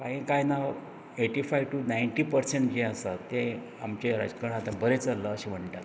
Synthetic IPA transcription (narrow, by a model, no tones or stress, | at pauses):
kaɦĩkajna | eʈifajʋʈunajɳʈiːpəɾseɳʈd͡ʑẽəsat̪ẽ | amt͡ɕeɾəd͡zkəɽ̃at̪ãbəɾet͡sələːɕem̤əɳʈat̪